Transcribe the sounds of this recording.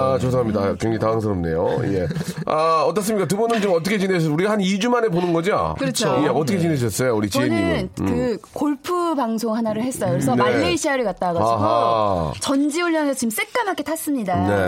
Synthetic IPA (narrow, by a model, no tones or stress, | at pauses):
at͡ɕos̬ʰaɦamɲidakeŋd͡ʑeitaaŋs̬ʰʌɾʌmnḛjo̰je̞ | aʌt̬͈ʌs̬͈ɯmɲik͈at̬ɯbunɯnt͡ɕimʌt̬͈ʰʌkʰe̞t͡ɕineɕʰʌuɾiɡahanid͡ʑumane̞ponɯnɡʌd͡ʑia̰kɯɾʌt͡ɕʰojeʌt͈ʰʌkʰet͡ɕineɕ̬ʰʌs͈ʌjouɾit͡ɕt͡ɕienɯinkɯkoɭpʰubaŋsʰoŋhanaɾɯɭhes͈ʌjokɾsʰʌnmːuiɕʰiaɾikat̚t͈aɡaɡaot͡ɕʌnd͡ʑiuɭjʌŋesʰʌt͡ɕims͈ek̚k͈amak͈ʰetʰas͈ɯmɲidane̞